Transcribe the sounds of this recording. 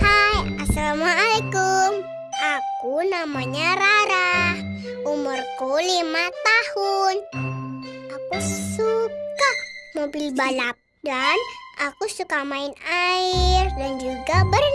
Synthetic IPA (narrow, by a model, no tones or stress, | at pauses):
hajasalamaːlekum | akunamaɲaɾaɾah | umʊrkolimat̪ahun | ʔakusukamobilbalap̚ | danʔakusukamaɪnaɪrdand͡ʒuɡabər